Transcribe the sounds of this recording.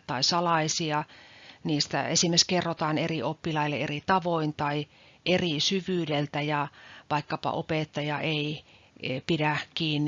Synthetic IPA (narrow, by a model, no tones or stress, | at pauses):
t̪ɑisɑlɑisiɑniːst̪æ̰esimːeskerːot̪ɑːneriʔopːilɑilːeerit̪ɑʋoint̪ɑi | ʔerisyʋyːdelt̪æjɑʋɑikːɑpɑ̰ʔopeˑt̪ːɑjɑʔei | pidækiːnː